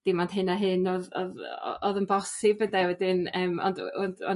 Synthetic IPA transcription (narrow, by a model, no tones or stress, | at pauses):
d̥ɪmɔnd̥ɦɨnaɦɨnɔðɔ̰ðɔ̰ɔðənbɔsɪbədawɛdɪnəːmɔ̰ndɔndɔ